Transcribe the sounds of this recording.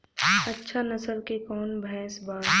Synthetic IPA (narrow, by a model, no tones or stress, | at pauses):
ɐtːʃʰanɐsəlkekɔːnbʱɛ̃ːsbaː